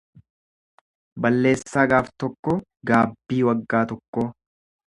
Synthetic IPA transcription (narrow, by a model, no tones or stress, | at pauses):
bɐlːe̞ːsːaːɡaːft̪ɔkːɔ | ɡaːbːiːwɐɡːaːt̪ɔkːoː